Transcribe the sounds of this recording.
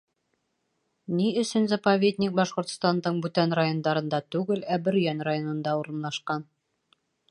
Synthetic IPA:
niɵ̆sɵnzapɐvʲed̪ʲnʲik̚bɒʃqŏɾt̪st̪ɑnd̪ɤɴbʉt̪ænrajo̞nd̪ɑɾɤ̆nd̪ɑt̪ʉɡɘlæbɘ̆ɾjænrajo̞nɤ̆nd̪ɑuɾɤ̆nlˠɑʃqɑn

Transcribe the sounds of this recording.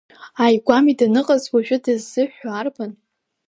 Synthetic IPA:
ajɡʷamidanɨqʼazwaʒᶣʷʊdɨzːɨħaːrban

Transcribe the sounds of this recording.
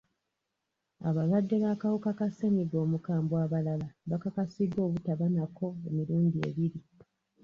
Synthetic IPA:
a̰βalwadːe̞βaːkawukakase̞ɲiɡo̞ːmukaːmbwaːβalalaβakakasidːo̞ːβutaβanako̞e̞miɾuːndie̞̰βiɾi

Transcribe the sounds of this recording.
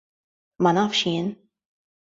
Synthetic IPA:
mɐnɐːfʃjɪːn

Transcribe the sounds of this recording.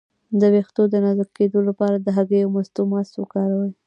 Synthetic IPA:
d̪əwext̪od̪ənazəɾked̪olapɑɾad̪əɦaɡəjawmast̪omaswəkɑɾawəj

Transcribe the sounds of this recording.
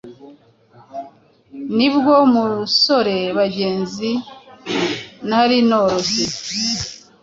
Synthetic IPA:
nibɡwomuso̞ɾe̞βaɟe̞ːnzi | naɾinoɾosi

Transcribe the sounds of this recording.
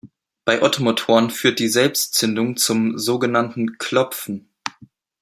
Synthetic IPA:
b̥aɪʔɔtʰomotʰoːʁənfyːɐt̚d̥iːzɛlpstt͡sʏndʊŋt͡sʊmzoːɡənantn̩kʰlɔpp͡fn̩

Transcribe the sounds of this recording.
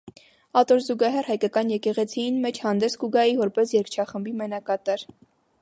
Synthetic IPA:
ɑt̪ɔɾzuɡɑɦɛrhɑjkɑkɑnjɛkɛʁɛt͡sʰiinmɛt͡ʃʰhɑnd̪ɛsɡuɡɑjivɔɾpɛsjɛɾkʰt͡ʃʰɑχəmbimɛnɑkɑt̪ɑɾ

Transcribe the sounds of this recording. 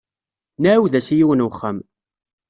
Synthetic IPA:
næwðæsijiwənwəχːəm

